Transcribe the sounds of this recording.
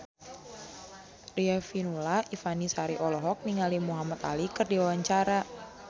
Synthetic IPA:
riafinulaifanisaɾiʔɔlɔɦɔk̚niŋalimuɦamat̪a̰likərdiwawaɲt͡ʃaɾa

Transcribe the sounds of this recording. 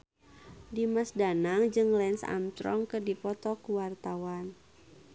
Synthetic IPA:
dimasdanaŋd͡ʒɨŋlɛnsa̰mt̪ɾɔŋkərdipɔt̪ɔkwart̪awan

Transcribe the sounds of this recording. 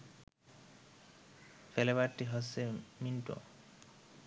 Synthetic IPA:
felebaɾʈːiɦɔseminʈo̰

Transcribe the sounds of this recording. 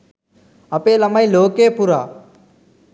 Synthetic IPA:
əpeːləmaːiːloːkeːpuːɾaː

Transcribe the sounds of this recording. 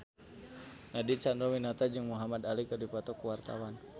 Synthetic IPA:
nadit͡ʃanɾɔwinat̪ad͡ʒɨŋmuɦamad̪alikɨrdipat̪ɔkuwart̪a̰wan

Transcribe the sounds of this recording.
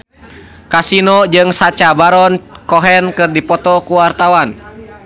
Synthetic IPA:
kasinɔd͡ʒɨŋsat͡ʃabaɾɔnkɔɦɛnkɨrdipɔt̪ɔkuwart̪awan

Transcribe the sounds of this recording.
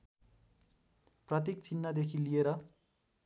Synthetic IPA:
prʌt̪̬ik̚t͡sinːad̪ekʰilijeɾʌ

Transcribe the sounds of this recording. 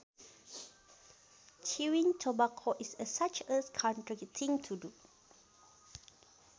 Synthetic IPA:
t͡ʃʰiwĩŋtʰobakʰoʔisəsat͡ʃəskʰɔ̃ntɹiɡjutʰĩŋtʰudu

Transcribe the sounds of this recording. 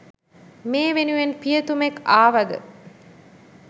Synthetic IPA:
meːʋenuʋenpijət̪umekːaːʋɐd̪ə̰

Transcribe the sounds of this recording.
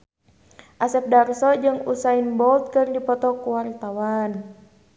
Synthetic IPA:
ʔasɛp̚darsɔd͡ʒɨŋusainbɔlt̪̚kɨrdipɔt̪ɔkuwart̪awan

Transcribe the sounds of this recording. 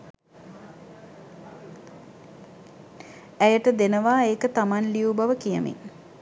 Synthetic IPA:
æjəʈəd̪enəʋaːeːkət̪amanliubaʋəkijə̰mḭŋ

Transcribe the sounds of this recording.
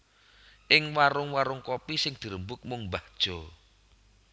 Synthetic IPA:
ʔɪŋwaɾʊŋwaɾʊŋkɔpisɪŋd̪̥i̤ɾəmbʊk̚mʊŋmbad̥ʒ̥ɔ

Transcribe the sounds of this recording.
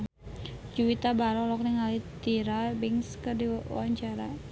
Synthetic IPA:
d͡ʒuwit̪abaɾɔlɔk̚nɪŋɦalit̪iɾabɪŋskərdiwaɲt͡ʃaɾa

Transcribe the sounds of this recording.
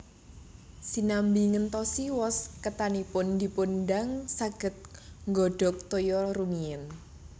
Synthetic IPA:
sinambiŋənt̪ɔsiwɔskət̪anipʊnd̪i̤punɖaŋsaɡ̥ə̤t̪̚ŋɡɔɖ̥ɔ̤k̚t̪ojɔrumiən

